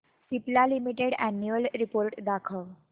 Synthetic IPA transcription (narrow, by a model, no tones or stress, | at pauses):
siplalimiʈeɽænjuəlɾipoɾʈd̪akʰəʋ